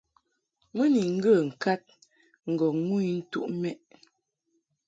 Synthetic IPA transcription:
mə˦ni˨ŋ̩˦ɡə˦˨ŋ̩˨ka˦t̚ | ŋ̩˨ɡɔ˨ŋu˦i˦n̩˦tṵ˦ʔmɛ˦ʔ

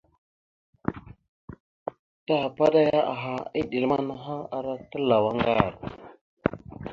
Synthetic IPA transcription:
ta˦ha˨pa˦da˦ja˦a̰˨ɦa˨i˦ɗi˨lma˦na˦ɦa˦a˨ɾa˦tə˦la˨wa˦ŋɡa˦˨ɾ

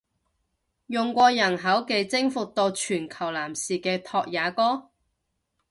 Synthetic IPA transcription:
jʊ˨ŋkʷɔː˧jɐ˨˩nɦɐ˨˥wke˨˧jt͡sɪ˥ŋfʊ˨k̚t̪o˧wt͡ʃʰyː˨˩nkʰɐ˨˩wlaː˨˩msiː˨kɛː˧t̪ʰɔː˧k̚jaː˨˧kɔː˥

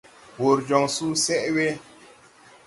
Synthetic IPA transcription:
wo˨ɾd͡ʒɔ˨ŋsu˦sɛ˦ʔwe˦

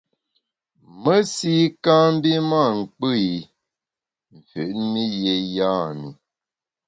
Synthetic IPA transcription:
mə˦si˦kã˦m˦bi˦ma˦˨ŋ̩˨k͡pɨ˦i˨ | m̩˨fʉ̰˨ʔmi˦je˨jaː˦˨mi˨

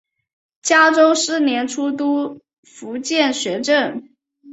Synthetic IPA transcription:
t͡ɕja˥ʈ͡ʂo˥ʊʂɻ̩˥njɛ˧˥nʈ͡ʂʰu˥t̪u˥ | fu˧˥t͡ɕjɛ˥˩nɕɥɛ˧˥ʈ͡ʂə˥˩n

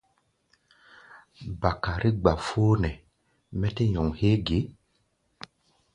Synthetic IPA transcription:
ba˨ka˨ɾʔi˦ɡ͡ba˨foː˦nɛ˨ | mɛ˦te˦ɲɔ˨ŋhe˦ɡe˨˦

